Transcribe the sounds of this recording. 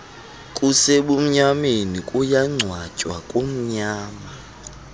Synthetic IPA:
kʼuseɓum̩ɲamenikʼujaŋ͡ǀʱwacʼwakʼum̩ɲaːma

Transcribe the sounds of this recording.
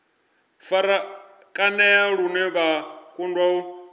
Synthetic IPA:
faɾa | kʼanɛjaɺunɛβakʼundɔu

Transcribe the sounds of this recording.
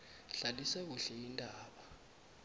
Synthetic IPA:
ɬalisak̬uɬɛjindʱʼaːɓa

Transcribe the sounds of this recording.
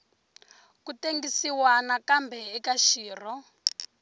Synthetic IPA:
kuteŋɡisiwanakambɛɛkaʃiːr̤ɔ

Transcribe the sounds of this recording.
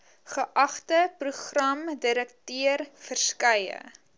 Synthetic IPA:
χəʔɐχtəpruχrɐmdiɾəktiərfərskɐjə̰

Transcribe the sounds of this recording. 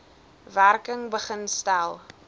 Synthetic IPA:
værkəŋbəχənstælˠ

